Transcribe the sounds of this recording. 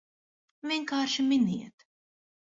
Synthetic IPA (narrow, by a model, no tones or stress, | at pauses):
vʲiɛŋkaːɾʃiminiɛt̪